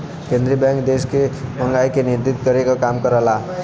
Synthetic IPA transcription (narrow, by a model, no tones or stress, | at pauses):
kend̪ɾibjaŋkd̪eskebʱʌŋɡajkeniɾd̪it̪ɡʌɾekokamkʌɾala